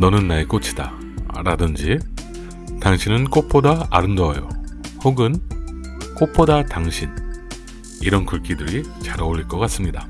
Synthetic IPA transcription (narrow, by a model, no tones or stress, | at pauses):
nʌnɯnːaek͈ot͡ɕʰi̥d̥a̰ | ɾadɯnd͡ʑi | taŋɕʰinɯnk͈opʰodaaɾɯmdʌajo̰hoɡɯn | k͈opʰodataŋɕʰin | iɾʌnkɯɭk͈idɯɾit͡ɕaɾaoʎiɭk͈ʌk͈as͈ɯmɲida